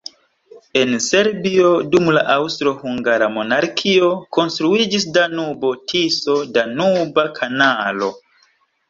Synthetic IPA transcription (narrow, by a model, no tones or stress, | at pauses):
e̞nse̞ɾbio̞dumla̰ʔawstɾo̞huŋɡaɾamo̞naɾkʰio̞ko̞nstɾuid͡ʒisdanubo̞tʰiso̞danubakʰanalo̞̰